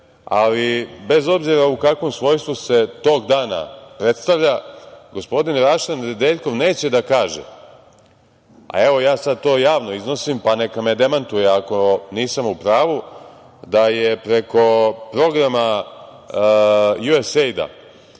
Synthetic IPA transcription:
a̰libe̞zo̞bziɾaukakʋo̞msʋo̞ːjst̪vuse̞t̪o̞ːɡd̪aːna̰pɾe̞t̪st̪aʋʎaɡo̞spo̞d̪inɾaʃend̪eːʎko̞ʋne̞ːt͡ɕe̞d̪akaːʒḛ | a̰e̞ʋo̞jaːsad̪̚t̪o̞ːjaːʋno̞izno̞simpane̞kamed̪e̞mant̪ujeako̞niːsamupɾaːʋu | d̪ajepɾe̞ko̞pɾo̞ɡɾama | juesejd̪a̰

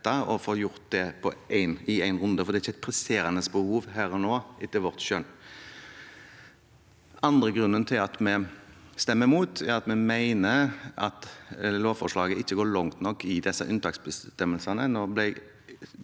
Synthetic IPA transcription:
t̪ːɑɔfoːɾjʊɾt̪̚d̪ɛpʰɔʔæɪnɪæɪnʁʉnd̪əfɔd̪ɛæɾɪçːæɪt̪pʰɾɛseːɾənəsbəhuːʋɦæːɾɔnoːʔɪt̪ːɪlʋɔʁt̪ʃœn | ʔɑnd̪ɾəɡɾʉnːənt̪ʰɪlɑt̪mɛst̪ɛmːəmuːt̪ɛɾɑt̪mɛmæɪnəɑt̪loːʋfɔʁʂlɑːɡəɪçːəɡoːɭɔŋt̪nɔkːɪd̪ɛsːɑ̰ʔʉnt̪ɑːksbəst̪ɛmːəlsɑnənoːblɪɡ

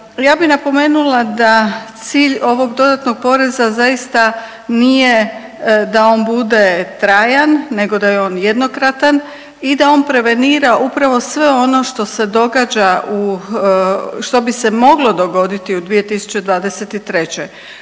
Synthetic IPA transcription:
jaːbinapo̞me̞ːnulˠad̪at̪siːʎo̞ʋo̞ɡd̪o̞d̪at̪no̞ɡ̚po̞ɾe̞zazajist̪a | nije | d̪ao̞ːnbud̪e̞t̪ɾaːjanːe̞ɡo̞d̪ajeo̞ːnjed̪no̞kɾat̪an | id̪ao̞npɾe̞ʋe̞niːɾaʔupɾaʋo̞sʋe̞o̞no̞ʃt̪o̞se̞d̪o̞ɡaːd͡ʑaʔu | ʃt̪o̞bise̞mo̞ɡlo̞d̪o̞ɡo̞d̪it̪iud̪ʋije̞t̪isu̥t͡ɕe̞d̪ʋaːd̪eset̪it̪ɾe̞t͡ɕe

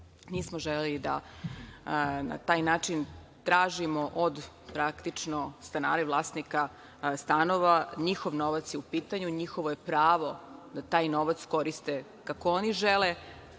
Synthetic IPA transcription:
niːsmoʒelelid̪a̰ | na̰t̪aːjnaːt͡ʃin | t̪ɾaːʒimoʔod̪ | pɾakt̪it͡ʂnost̪ana̰ːɾɛʋlˠaːsnika | st̪ano̞ʋaɲixo̞ʋno̞ʋat̪sjeupiːt̪aɲuɲixoʋoje̞pɾaːʋo̞d̪̥at̪aːjno̞ʋat̪sko̞ɾist̪e | kakooniʒele

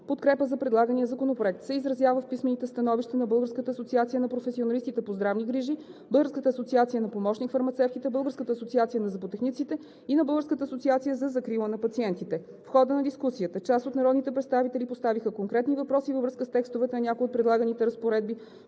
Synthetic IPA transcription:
pot̪kɾɛpəzɐpɾɛd̪lˠaɡəniəzɐkonopɾoɛk̚t̪sɛizɾɐzjavəfpismɛnit̪ɛst̪ɐnɔviʃt̪ɛnɐbɤlˠɡəɾskət̪əːsotsiat̪sijənɐpɾofɛsionɐlist̪it̪ɛpozd̪ɾavniɡɾiʒib̥ɤlˠɡəɾskət̪əːsot̪siat̪sijənɐpomɔʃnʲikfɐɾmɐt̪sɛft̪it̪ɛbɤlˠɡəɾskət̪əːsot̪siat̪sijənɐzɐpot̪ɛxnit̪sit̪ɛ | inɐbɤlˠɡəɾskət̪əːsot̪siat̪sijəzɐzɐkɾilˠənɐpɐt̪siɛnt̪it̪ɛ | fxɔd̪ənɐd̪iskusiət̪ət͡ʃasot̪nɐɾɔd̪nit̪ɛpɾɛt̪st̪avit̪ɛlipost̪avixəkoŋkɾɛt̪nivɐpɾɔsivəvɾɤskəst̪ɛkst̪ovɛt̪ɛnɐnʲakoiot̪pɾɛd̪lˠaɡənit̪ɛɾəspoɾɛd̪̚bi

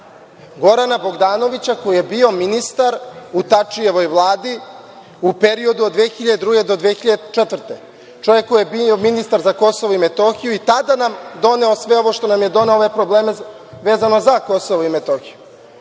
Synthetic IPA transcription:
ɡo̞ɾanabo̞ɡd̪aːno̞ʋit͡ɕako̞jije̞bio̞minist̪aɾut̪at͡ʂije̞ʋo̞jʋlˠaːd̪i | upeɾio̞d̪uod̪d̪ʋeːxiʎad̪ed̪ɾuːɡe̞d̪od̪ʋexiʎad̪et͡ʃet̪vr̩t̪e | t͡ʃo̞ʋje̞kːojebiominist̪aɾzako̞soʋoimet̪o̞xijuit̪ad̪anamd̪o̞ne̞o̞sʋe̞o̞ʋo̞ʃt̪o̞namjed̪o̞neooʋe̞pɾobleːme | ʋeːzano̞zako̞soʋoimet̪oːxiju

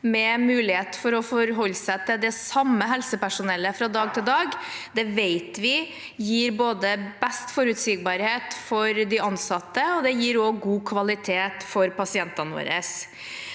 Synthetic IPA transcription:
mɛmʉːlɪheːt̪fɔɾɔfɔɾɦɔlːsæɪt̪ɪld̪ɛsɑmːəɦɛlsəpæʂʊnɛlːəfɾɑd̪ɑːɡ̚t̪ʰɪld̪ɑːɡd̪ɛʋeɪt̪ʋɪ | jiːɾboːd̪əbɛst̪fɔɾʉt̪siɡ̚bɑːɾheːt̪fɔɾd̪ɪɑnsɑt̪ːəɔd̪ɛjiːɾɔɡuːkʰʋɑlɪt̪ʰeːt̪fɔɾpɑsɪɛnt̪ɑnəʋo̰ːɾə̰s

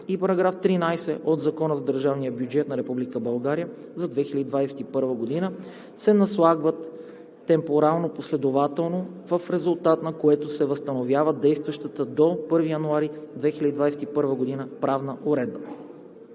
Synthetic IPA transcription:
ipɐɾɐɡɾaft̪ɾinajsɛʔod̪zɐkɔnəzɐd̪əɾʒavnijəbjud͡ʒɛt̪nɐɾɛpublikəbɐlˠɡaɾijə | zɐd̪vɛxilʲəd̪id̪vajsɛ̥t̪ipɤɾvəɡod̪inə | sɛnɐslˠaɡvət̪ː | ɛmpoɾalˠnoposlɛd̪ovat̪ɛlˠnovəfɾɛzʊlˠt̪at̪nɐkoɛt̪osɛvəst̪ɐnovʲjavəd̪ɛjst̪vɐʃt̪ət̪əd̪opɤɾvijɐnuaɾid̪vɛxilʲəd̪id̪vajsɛt̪ipɤɾvəɡod̪inəpɾavnəʔoɾɛd̪̚bə

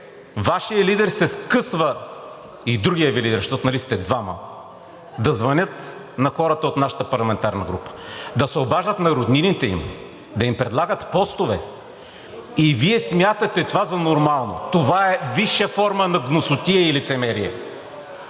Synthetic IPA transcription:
vaʃijəlid̪ɛɾsɛskɤsvə | id̪ɾuɡʲijəvilid̪ɛɾʃt̪ɔt̪onɐlist̪ɛd̪vamə̰ | d̪ɐzvɐnʲɤt̪ | nɐxɔɾət̪əot̪naʃə̥t̪əpɐɾlˠɐmɛnt̪aɾnəɡɾupə̥d̪ɐsɛobaʒd̪ət̪nɐɾod̪ninit̪ɛḭm | d̪ɐimpɾɛd̪lˠaɡət̪pɔst̪ovɛ | iviɛsmjat̪ɐt̪ɛt̪ovazɐnoɾmalˠno̰t̪ovaɛviʃːəfɔɾmənɐɡnosʊt̪iɛilit̪sɛmɛɾiɛ

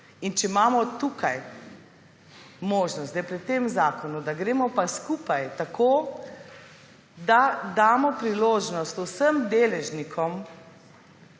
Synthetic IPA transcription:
int͡ʃɛimaːmɔt̪ukaj | moːʒnɔsɛjpɾit̪emzaːkɔnud̪aɡɾeːmɔpaskuːpajt̪akʰoː | d̪ad̪aːmɔpɾiloːʒnɔst̪usəmd̪eːlɛʒnikʰɔm

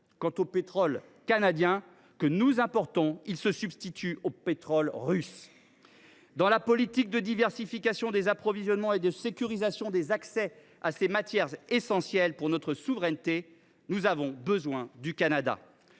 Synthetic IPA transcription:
kɑ̃t̪opet̪χɔlkanad̪jɛ̃ | kənuzɛ̃pɔʁt̪ɔ̃ilsəsybst̪it̪yopet̪χɔlʁys | d̪ɑ̃lapɔlit̪ik̚d̪əd̪ivɛʁsifikasjɔ̃d̪ezapχɔvizjɔnmɑ̃ed̪əsekʲyʁizasjɔ̃d̪ezaksɛ | asemat̪jɛʁesɑ̃sjɛlpuʁnɔt̪χəsuvʁɛnt̪e | nuzavɔ̃bəzwɛ̃d̪ykanad̪a̰

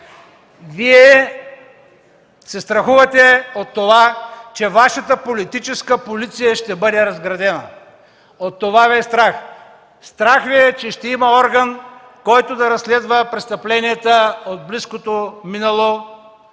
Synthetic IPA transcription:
viɛ | sɛst̪ɾɐxuvɐt̪ɛot̪ːovat͡ʃɛvaʃɐt̪əpolit̪it͡ʃɛskəpolit̪sijəʃt̪ɛbɤd̪ɛɾɐzɡɾɐd̪ɛnə | ot̪ːovavist̪ɾax | st̪ɾaxviɛt͡ʃɛʃt̪ɛimɐɔɾɡən | kɔjt̪od̪ɐɾɐslɛd̪vəpɾɛst̪ɐplɛniɛt̪əod̪̚bliskot̪ominɐlˠo

